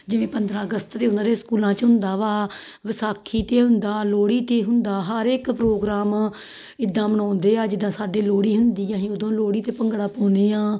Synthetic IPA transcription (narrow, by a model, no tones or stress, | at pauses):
d͡ʒɪʋẽːpənd̪ɾãːəɡəst̪t̪eːʊnãːd̪ẽːskuːlãːt͡ʃɦʊnd̪aːʋaː | ʋɪsaːkʰːiːt̪eːɦʊnd̪aːloːɽiːt̪eːɦʊnd̪aːɦəɾeːkpɾoːɡɾaːm | ɪd̪ːãːmənɔ̃ːnd̪eːaːd͡ʒɪd̪ãːsaːɖeːloːɽiːɦʊnd̪iːãːɦĩːod̪õːloːɽiːt̪eːpəŋɡɽaːpõːnd̪eːãː